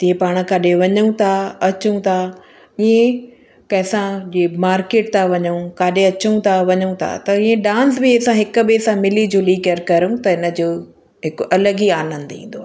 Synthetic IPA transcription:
t̪ĩːẽpaːɽ̃kaɗeʋɐɲũt̪ʰaɐt͡ɕũt̪ʰa | iẽ | kɐ̃ɦɪsãd͡ʑemaːɾkeːʈ̚t̪ʰaʋɐɲũkaːɗeɐt͡ɕũt̪ʰaʋɐɲũt̪ʰa̰t̪ɐĩːẽɖãːns̬bɪɐsãɦɪkʊ̆besãmɪlid͡ʑoːliːkəɾkɐɾũt̪ɐɪnə̆d͡ʑoː | ɦɪkʊʔɐləɡiaːnə̃nd̪ḭ̃ːn̆d̪oaː

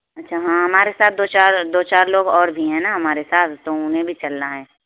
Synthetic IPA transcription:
ɐtːʃʰaɦãːɦɐmaːɾesaːt̪̚ʰd̪oːt͡ʃaːɾd̪oːt͡ʃaːɾloːɡɔːɾbʱiɦɛ̃naɦɐmaːɾesaːt̪ʰt̪oʊnẽbʱit͡ʃɐlnaɦɛː

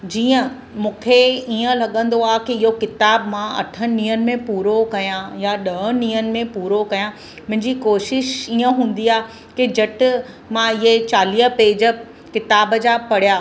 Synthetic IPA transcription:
d͡ʑiːə̃ | mũːkʰeiːə̃lɐɠə̃n̆d̪oaːɦkiɪɦokɪt̪aːbmãɐ̰ʈʰəniːənɪ̆mẽpuːɾokɐjãjaɗɐɦniːənɪ̆mẽpuːɾokɐjã | mʊ̃ɦɪ̃ɲd͡ʑikoːʃɪʃiːə̃ɦũːn̆d̪iaːɦe | kid͡ʑɐʈɪ̆ | mãɪɦet͡ɕaːliːəpeːd͡ʑə | kɪt̪aːbəd͡ʑapɐɽ̤jaː

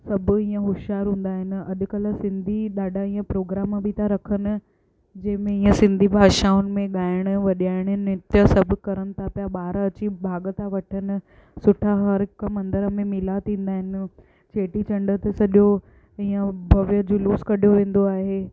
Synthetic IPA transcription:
sɐbʱʊ̆ĩːə̃ɦʊʃaːɾɦũːn̆d̪aːɦɪnɪ̆ɐʄʊ̆kɐləsɪ̃nd̪ʱiɗaːɖʱaĩːə̃pɾoːɡɾaːmbʱɪt̪ʰaɾɐkʰənɪ̆ | d͡ʑɐ̃ɦɪ̃mẽĩːə̃sɪ̃nd̪ʱibʱaːʃaːʊnɪ̆mẽɠaːɪɽ̃ʊ̆ʋɐɗiaːɪɽ̃nɪt̪jəsɐbʱʊkɐɾəɽ̃ɪ̆t̪ʰapjaɓaːɾɐt͡ɕibʱaːɠət̪ʰaʋɐʈʰənɪ̆ | sʊʈʰaɦɐɾɪkəmɐ̃nd̪əɾəmẽmɪlat̪ʰĩːnd̪aːɦɪnɪ̆ | t͡ɕeːʈit͡ɕɐ̃ɳɖət̪esɐɗo | ĩːə̃bʱɐʋjəd͡ʑoluːskɐɗ̤ijoʋẽːn̆d̪oaːɦeː

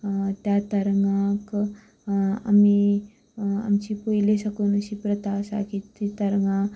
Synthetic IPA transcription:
t̪jat̪əɾŋãk | a̰mi | a̰mt͡ɕiːpojleɕakuːnəɕiːpɾət̪asa̰kit̪it̪əɾɡã

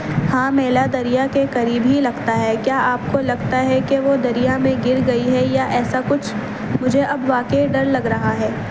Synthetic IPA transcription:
hãːmɛːlad̪ɐɾijakekɐɾiːbɦilɐɡt̪aɦɛkjaːʔaːp̚kolɐɡt̪aɦɛkeʋod̪ɐɾijamẽɡɪɾɡɐiɦɛjaʔɛːsakʊt͡ʃʰ | mʊd͡ʒʱeʔɐbʋaːkeɖɐɾlɐɡɾɐɦaɦɛː

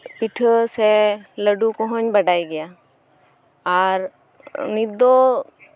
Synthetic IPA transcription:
piʈʰəseləɖukɔɦõɲbəɖaːiɡɐjaː | ɔːɾ | nid̪o

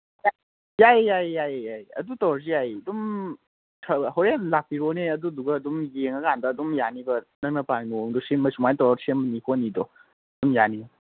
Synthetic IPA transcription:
ja | jajːajjajajɐ̰dutɔɾziajdum | tʰɐhɔwɾenlak̚piɾɔneɐduduɡɐːdumjeŋaɡandɐːdumjanibɐnɐk̚nɐpanimoŋdusemɐsumajtɔɔsenbənikɔnidɔ | dumjanib

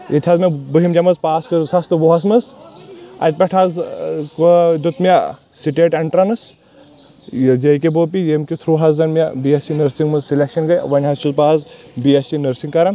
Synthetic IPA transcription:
jet̪ʰʲazmʲibɨɦimd͡ʒɐmɐzpaːskɨsɐst̪ɨʋoɦɐs̬mɐs | ɐ̰t̪̚ʲpʲɐʈʰazkod̪ut̪mʲɐ | siʈeʈeɳʈɾɐnɨs | jd͡ʒɐjkʲeboːpijemkʲit̪ʰɾuːɦɐzɐnmʲebiesinɐɾsiŋɡmɐzsilʲekʃɐnɡɐj̰ʋɐnʲɦɐzt͡ʃuzpaːz | bijesinəɾsiŋkɐɾɐn

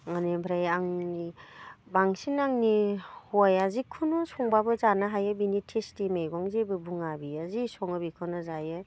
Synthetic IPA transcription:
ŋanebʰʱɾajaŋnibaŋsinaŋnihɔjazikʰɯnɔsɔŋbabɯzanaɦajɯbinitʰestimejɡɔŋzebɯbuŋabiazisɔŋɯbikʰɯnɯzajɯ

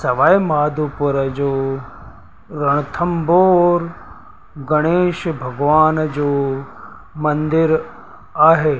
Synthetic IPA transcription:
sɐʋaːimaːd̪ʱupʊɾəd͡ʒoː | ɾɐɳ̃t̪ʰəmboːɾ | ɡɐɽ̃eːʃbʱɐɡʋaːnd͡ʒoː | mɐ̃nd̪ɪɾ | aːɦeː

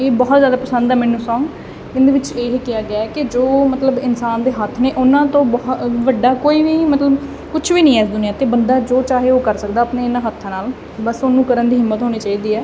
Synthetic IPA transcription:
eːbɔːt̪zjaːd̪aːpəsə̃nd̪ɛːmɛ̃ːnːũːsɔ̃ːŋ | ɪ̃nd̪eːʋɪt͡ʃeːɦekɪjaːɡɪaːɛːkɪd͡ʒoːmət̪ləbɪnsaːnd̪eːɦət̪ʰːneːʔʊnãːt̪õːbɔɦʋəɖːaːkoːiːʋiːmət̪ləb | kʊt͡ʃʰʋiːnĩːɛːsd̪ʊniãːt̪eːbənd̪aːd͡ʒoːt͡ʃaːɦeːoːkəɾsəkd̪aːəpneːɪnãːɦət̪ʰːãːnaːl | bəsoːnũːkəɾənd̪iːɦɪmːət̪ɦoːñiːt͡ʃaːiːd̪iːɛː

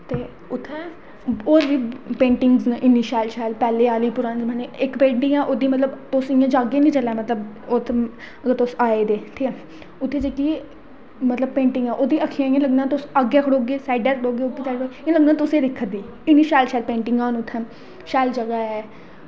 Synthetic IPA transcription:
t̪eː | ʊt̪ʰːɛ̃ː | oːɾd͡ʒiːpẽːɳʈɪŋɡzaʔɪniːʃaːlʃɛːlpɛːleːaːliːpʊɾãːnd͡ʒmɛ̃ːneɪkpẽːɳʈĩːãːʔoːd̪iːmət̪ləbt̪ʊsɪjãːd͡ʒaːɡeːnĩːt͡ʃəlɛːmət̪ləb | ot̪ | əɡəɾt̪osaːeːd̪eːt̪ʰi | ʊt̪ʰːeːd͡ʒekiː | mət̪ləb̚pẽːɳʈɪ̃ŋɡãːʔoːd̪iːʔəkʰːiãːĩjãləɡnãːt̪ʊsaɡɛːkʰəɽoːɡeːsaːɪɖɛːkʰɽoːɡeːʊt̪ːiːsaːoãləɡnãːt̪ʊsẽːɾɪkʰːəd̪iː | ɪniːʃaːlʃɛːlpẽːɳʈɪŋɡãːnʊt̪ʰːɛ̃ː | ʃɛːld͡ʒəɡaːɛː

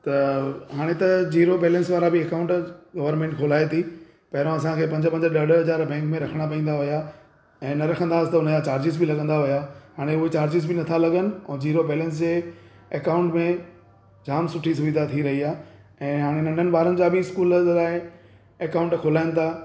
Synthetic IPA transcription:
t̪ɐɦaːɽ̃et̪ɐd͡ʑiːɾobɛːlɛ̃nsʋaːɾabɪekaːʊ̃ɳʈɡɐʋəɾnmẽːɳʈkʰoːlaːet̪ʰi | pɐɦɪɾõɐsãkʰeːpɐ̃ɲd͡ʑəpɐ̃ɲd͡ʑəɗɐɖɦɐzaːɾbɛ̃ːŋkmẽɾɐkʰəɽ̃apɐ̃ĩːnd̪aɦʊja | ɛ̃ːnɐɾɐkʰə̃nd̪aːst̪ɐʊnəd͡ʑat͡ɕaːɾd͡ʑɪs̬bɪlɐɠə̃nd̪aɦʊjaɦaːɽ̃eʊɦet͡ɕaːɾd͡ʑɪzbɪnɐt̪ʰalɐɠənɪ̆ɛ̃ːd͡ʑiːɾobɛːlɛ̃ns̬d͡ʑeː | ɐkaːʊ̃ɳʈmẽ | d͡ʑaːmsʊʈʰisʊʋɪd̪at̪ʰiɾɐɦiaː | ɛ̃ːɦaːɽ̃enɐ̃ɳɖʱənɪ̆ɓaːɾənɪ̆d͡ʑaːbɪɪskuːllaːe | ekaːʊ̃ɳʈkʰoːlaːɪnɪ̆t̪ʰaː

